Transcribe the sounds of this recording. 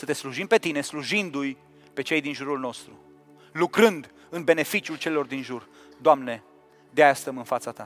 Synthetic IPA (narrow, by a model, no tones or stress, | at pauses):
sət̪e̞sluʒimpe̞t̪ine̞sluʒind̪uj | pe̞t͡ʃe̞jd̪inʒuɾulno̞st̪ɾu | lukɾɨnd̪ | ɨnbe̞ne̞fit͡ʃijult͡ʃelelo̞rd̪inʒur | d̪oamne̞ | d̪eajast̪əmɨnfat̪sat̪a